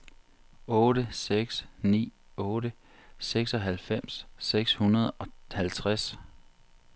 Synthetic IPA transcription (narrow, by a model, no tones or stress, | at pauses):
ɔ̽ːɾəseɡ̥snḭː | ɔ̽ːɾə | seɡ̥sɒ̽ɦælfem̰sːeɡ̥shunɐð̞ˠɒ̽hælt͡sʰʁas